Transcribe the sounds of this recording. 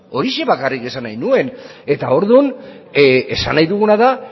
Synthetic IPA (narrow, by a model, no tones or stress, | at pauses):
o̞ɾiʃe̞βakarike̞sanajnue̞ne̞t̪ao̞ɾðun | e̞sa̰najðuɣ̞unaða